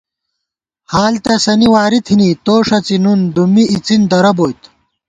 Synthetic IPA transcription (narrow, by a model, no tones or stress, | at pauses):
haːlt̪ɐsɐniwaːɾit̪ʰinit̪oːʂɐt͡sinund̪umiʔit͡sind̪ɐɾɐboːjt̪